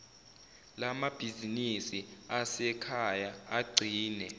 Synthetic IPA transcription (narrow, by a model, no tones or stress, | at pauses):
lamab̥ʱizinisiasɛkʰajaaɡ͡ǀʱiːnɛ